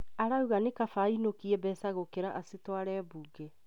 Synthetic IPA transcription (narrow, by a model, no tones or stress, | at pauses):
aɾauɣanekafainokiɛbɛsaɣokeɾaʔasetwaɾɛːbuːɡɛ